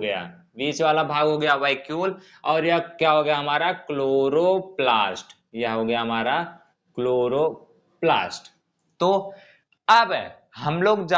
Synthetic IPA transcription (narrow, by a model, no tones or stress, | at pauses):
ɡɐja̰ː | ʋiːsʋaːlabʱaːɡɦoːɡɐjaʋaɪkjuːl | ɔːɾjɐɦkjaːɦoːɡəjaɦɐmaːɾakloːɾoplaːsʈ | jɐɦɦoːɡɐjaɦɐmaːɾa | kloːɾo | plaːsʈ | t̪o | ɐb | ɦɐmloːɡd͡ʒa